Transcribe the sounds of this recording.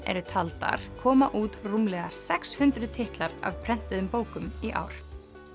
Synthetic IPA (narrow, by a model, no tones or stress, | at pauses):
ɛ̰ɾʏt̪ʰalt̪a̰ɾ̥kʰɔːmaʔuːt̪rumlɛːɣḁsɛkshʏnt̪ɾʏðt̪ʰɪht̪laɾa̰vpʰɾɛn̥t̪ɪðʏmpoːwkʏmiʔa̰ːwɾ̥